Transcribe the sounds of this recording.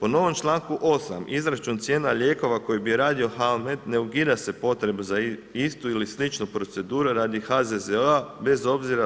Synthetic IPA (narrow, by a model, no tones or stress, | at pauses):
po̞no̞ʋo̞mt͡ʃlˠaːŋkuʔo̞sa̰mʔizɾat͡ʃunt̪sje̞ːnaʎʲe̞ːko̞ʋako̞jibiɾaːd̪io̞xalme̞d̪ne̞uɡid̪ase̞po̞t̪ɾe̞buzaist̪uilislit͡ʃnopɾo̞t̪se̞d̪uːɾuɾaːd̪ixazezeabe̞zo̞bziɾa